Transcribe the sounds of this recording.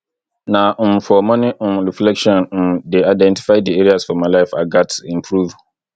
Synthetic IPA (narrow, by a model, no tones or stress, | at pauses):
nãm̩fɔmɔ̃nĩɾiflɛkʃɔ̃nm̩deaɪdɛ̃nti̥faɪdieɾiasfɔmãlaɪfaɡatĩmpʰɾuv